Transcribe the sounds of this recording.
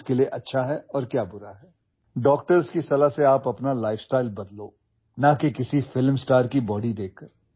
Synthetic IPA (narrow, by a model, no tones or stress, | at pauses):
kelieʔɐtːʃʰaɦɛɔːɾkjaːbʊɾaɦɛː | ɖɔːk̚ʈəɾzkisɐlaɦseaːpɐpnalaːɪfsʈaːɪlbɐd̪loː | nakekɪsifɪlmsʈaːɾkibɔːɽid̪eːkːəɾ